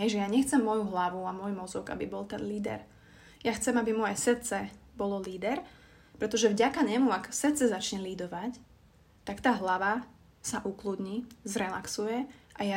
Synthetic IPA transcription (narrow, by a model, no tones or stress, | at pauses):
ɦɛjʒɛjaɲɛxt͡sɛmːɔjuɦlaʋuamʊɔjmɔzɔɡa̰bibɔlˠt̪ɛnliːd̪ɛ̰ɾ | jaxt͡sɛmabimɔjɛsrt̪t͡sɛbɔlɔliːd̪ɛɾ | pɾɛt̪ɔʒɛvɟakaɲɛmuaksrt̪t͡sɛzat͡ʃɲɛliːd̪ɔʋac | t̪akt̪aːɦlaʋa | saʔuklud̪ɲizɾɛlaksujɛʔaja